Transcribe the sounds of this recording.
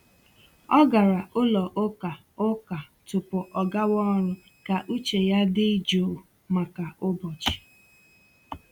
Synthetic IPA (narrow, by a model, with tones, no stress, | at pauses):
ɔ˦ɡa˨ɾa˨ʔʊ˦lɔ˨ʔo˦ka˨ | ʊ˦ka˨tʊ˨pʊ˨ʔɔ˨ɡa˦wɔ˦ɾʊ˦ | ka˨ʔu˦t͡ʃe˨ja˦dɪ˦d͡ʒo˨ | ma˨ka˨ʔʊ˦bɔ˨t͡ʃɪ̥˨